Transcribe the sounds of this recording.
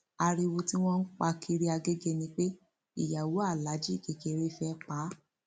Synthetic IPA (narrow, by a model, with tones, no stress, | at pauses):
a˧ɾi˧wo˧ti˦w̃ɔ̃˦n̩˦k͡pa˧kʰi˧ɾi˦a˧ɡe˦ɡe˧nĩ˧k͡pe˦ | ḭ˨ja˨wo˨˦a˦˨la˨˦d͡ʒi˦˨ke˨ke˧ɾe˦˧fɛ˧˦k͡pa˨˦